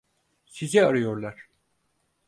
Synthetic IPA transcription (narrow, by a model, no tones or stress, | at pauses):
sizɛaɾɯjo̞ɾlˠaɾ̥